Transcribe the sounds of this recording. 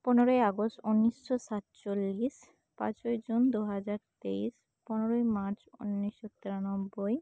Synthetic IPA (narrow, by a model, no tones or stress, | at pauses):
poneɾojaɡostunːiʃːosat̪t͡ɕolːis | pã̰t͡ɕojd͡ʑund̪uɦad͡ʑaɾt̪eiʃ | ponoɾojmaɾt͡ɕṵnːiʃːot̪ːeɾanobːoj